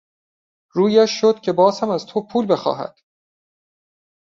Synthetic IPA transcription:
ɾuːjæʃːod̪̥cʰe̞bɒːzhæmæzt̪ʰopʰuːlbe̞xɒ̰ːɦæ̰d̪̥

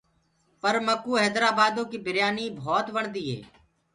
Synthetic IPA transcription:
pəɾməkːuːɦɛːd̪ɾaːbaːd̪õːkiːbɪɾjaːniːbʱɔːt̪ʋəɳd̪iːɦɛ̰ː

